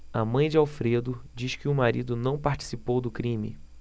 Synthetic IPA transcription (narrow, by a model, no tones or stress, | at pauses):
a̰mɐ̃j̃d͡ʒɪawfɾed̪ʊd͡ʒiʃkɪʊmaɾḭd̪ʊnɐ̃w̃paɾt͡ʃi̥sipowd̪ʊkɾĩmɪ̰